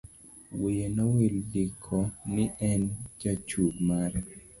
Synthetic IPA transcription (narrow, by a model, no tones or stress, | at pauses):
wijenaweldikʰɔnɪʔɛnd͡ʒat͡ʃuɡmaɾɛ